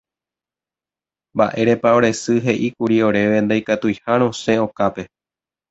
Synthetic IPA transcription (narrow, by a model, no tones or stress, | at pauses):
mba̰ʔe̞ɾe̞paoɾesɨɦe̞ʔikuɾio̞ɾe̞ʋe̞nd̪ajkat̪ujhaɾ̃õ̞sẽ̞o̞kape̞